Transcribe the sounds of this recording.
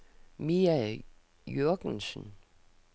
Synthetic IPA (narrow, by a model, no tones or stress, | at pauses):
miæ | jøɐɡ̥nsən̩